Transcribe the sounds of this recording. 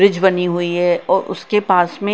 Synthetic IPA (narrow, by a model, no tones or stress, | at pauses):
ɾɪd͡ʒbɐniɦʊiɦɛʔɔːɾʔʊ̰skepaːsmẽ